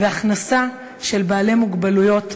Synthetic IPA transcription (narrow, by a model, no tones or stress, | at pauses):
veaχnasa | ʃe̞lbaːle̞muɡbalujo̞t